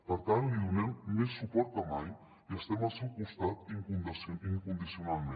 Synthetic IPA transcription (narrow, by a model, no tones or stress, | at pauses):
pəɾt̪anliðunɛmːesːupɔɾt̪ːamaɲ | əst̪emasukust̪at̪iŋkund̪asjoiŋkund̪isionalmẽ